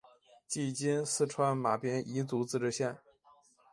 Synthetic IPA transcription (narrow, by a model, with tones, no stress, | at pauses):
t͡ɕi˥˩t͡ɕi˥nsɹ̩˥˧ʈ͡ʂʰwa˥nma˨˩pjɛ˥ni˧˥t͡su˧˥t͡sɹ̩˥˧ʈ͡ʂɻ̩˥˧ɕjɛ˥˩n